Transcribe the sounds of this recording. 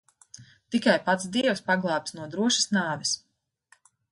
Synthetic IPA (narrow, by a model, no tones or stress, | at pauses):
t̪ikajpat̪sd̪iɛwspaɡlˠaːp̚t̪snuɔd̪ɾuɔʃi̥snaːvɛs